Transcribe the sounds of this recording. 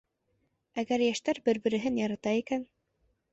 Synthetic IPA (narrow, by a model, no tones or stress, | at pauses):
æɡæɾjæʃt̪æɾbɘɾbɘ̆ɾɘ̆ɦɘnjɑɾɑt̪ɑikæn